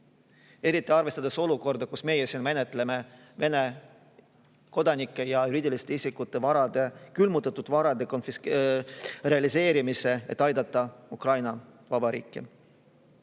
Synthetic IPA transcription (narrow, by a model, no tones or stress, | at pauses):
e̞ɾit̪ːˑiɑrvest̪ɑd̪̥e̞so̞luko̞rd̪̥ɑkusme̞jesinme̞net̪ːˑle̞me̞ | ve̞ne̞ | ko̞d̪ɑnikːˑe̞jɑjuɾiːd̪ʲilist̪eisikːˑut̪ːˑe̞vɑɾɑd̪̥e̞kylmut̪ːˑɑt̪ːˑud̪̥vɑɾɑd̪e̞ko̞nfis | re̞ɑlise̞ːɾimise̞ḛt̪ːˑɑjd̪ɑt̪ˑːɑukrɑjnɑ | vɑbɑɾḭːkːˑi